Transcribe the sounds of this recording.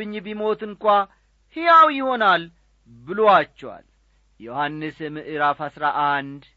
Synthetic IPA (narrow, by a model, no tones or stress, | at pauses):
ɨɲːbimo̞t̪ɨŋkʷʼa | hijawjɪho̞nal | bɨloat͡ʃːɛwa̰l | johanːɨsmɨʔɨɾafhasɾaʔand̪